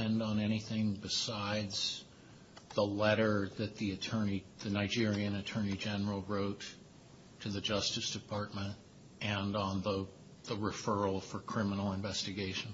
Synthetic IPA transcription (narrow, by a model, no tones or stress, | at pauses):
ɛ̃ndn̩ɛɾ̃iθɪ̃ŋbɨsaɪdz̥ | ðəlɛɾə˞ðɨt̪̚ðiɨtʰɜ̃˞niðɨnaɪd͡ʒɪɹiɨ̃nɨtʰɜ̃˞nid͡ʒɛnə˞l̩ˠɹoʊtʰ | ɨðɨd͡ʒʌstɨsd̥ɨpʰɑɹt̚mɨ̃nt | ʔɨ̃nn̩ðə | ðəɹɨfɜ˞l̩ˠfə˞kʰɹ̥ɪ̃mənl̩ˠə̃ɱvɛstɨɡeɪʃɨn̩